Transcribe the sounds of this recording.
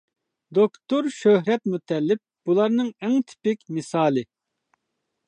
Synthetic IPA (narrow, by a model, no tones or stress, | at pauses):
d̪okt̪oɾʃøhɾɛt̪mut̪ʰɛlːɪp̚b̥ulˠɑɾnɨŋɛŋt̪ʰɪ̥pɪkʲmɪsɑːlˠɨ